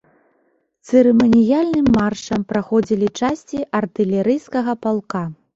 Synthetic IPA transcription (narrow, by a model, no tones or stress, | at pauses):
t̪sɨɾɨmɐnʲijalʲnɨmːarʂɐmpɾaxɔd͡zʲilʲit͡ʂasʲt͡sʲiʔɐrt̪ɨlʲɛɾɨjskɐɣɐpalˠka